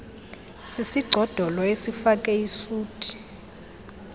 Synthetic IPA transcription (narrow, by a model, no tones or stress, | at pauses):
sisiɡ͡ǀʱɔd̥ʱɔlɔesifakʼɛisuːtʰi̥